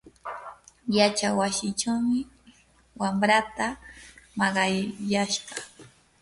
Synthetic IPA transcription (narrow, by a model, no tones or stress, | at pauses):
jat͡ʃawasɪʈ͡ʂawmɪ | wamɾat̪amɑɢɑjjaʃɢɑ